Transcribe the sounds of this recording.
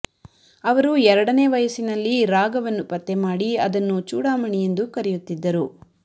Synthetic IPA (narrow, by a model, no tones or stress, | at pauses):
ɐʋɐɾuɛɾɐɽɐne̞ːʋɐjɐsinɐlːiɾaːɡɐʋɐnːupɐt̪ːemaːɽiɐd̪ɐnːut͡ʃuːɽaːmɐɳijend̪ukɐɾɛjut̪ːid̪ːɐɾu